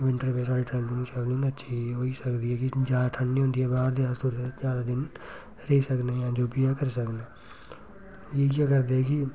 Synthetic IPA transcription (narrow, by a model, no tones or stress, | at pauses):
ʋɪ̃ɳʈəɾpesaːɽiʈɾɛ̃ːnɪ̃ŋɡʃɛːblɪ̃ŋɡətːʃʰiɦoːisəkd̪iːɦɛːkid͡ʒjaːd̪aʈ̪ʰəɳːiɦõːnd̪iɛːbaːɾd̪iaːst̪oɾsed͡ʒjaːd̪ad̪ɪn | ɾeisəkneːjãːd͡ʒoːpijakəɾsəkneː | jeːkakəɾd̪eɛki